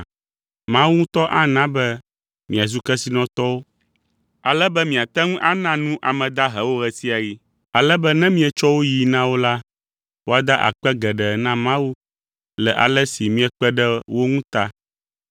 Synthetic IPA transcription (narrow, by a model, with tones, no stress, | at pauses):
mã˦wu˦ŋũ˦t̪ɔ˦ʔa˦nã˦bɛ˦ | mĩ˨a˨zu˦kɛ˦si˦nɔ̃˦t̪ɔ˦wo˦ | a˨lɛ˦bɛ˦mĩ˨a˨t̪ɛ˦ŋũ˦ʔa˦nã˨nũ˦ʔa˨mɛ̃˨d̪a˦ɦɛ˨wo˦ɣɛ˨si˦a˨ji˦ | a˨lɛ˦bɛ˦nɛ̃˦mĩ˦ɛ˨t͡ʃɔ˦wo˦ji˨nã˦wo˦la˦ | wo˦a˦d̪a˦ʔa̰˨k͡pɛ˦ɡɛ˨ɖɛ˨nã˦mã˦wu˦ | lɛ˨ʔa̰˨lɛ˦si˨mĩ˦ɛ˨k͡pɛ˦ɖɛ˦wo˦ŋũ˦t̪a˦